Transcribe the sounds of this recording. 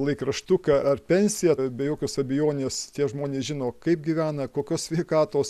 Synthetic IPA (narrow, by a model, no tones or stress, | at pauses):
lˠɐɪkrɐʃt̪ʊkɐʔɐrpʲɛnʲsʲɪjɛbʲɛjoːkʲoːsɐbʲɛjoːnʲeːst̪ʲiɛʒmoːnʲeːsʒʲɪnoːkɐɪp̚ɡʲiʋʲæːnɐkoːkʲoːssʲʋʲɛɪkɑːt̪oːs